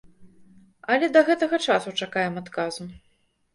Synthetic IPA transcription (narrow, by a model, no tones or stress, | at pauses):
ɐlʲɛd̪ɐɣɛt̪ɐɣɐt͡ʂasut͡ʂakajɛmat̪kazu